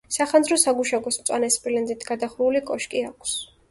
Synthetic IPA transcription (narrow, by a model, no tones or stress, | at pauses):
saχanzɾɔsaɡuʃaɡɔsmt̪sʼwa̰nɛspʼilɛndzit̪ʰɡ̥ad̪aχɾulikʼɔʃkʼiakʰs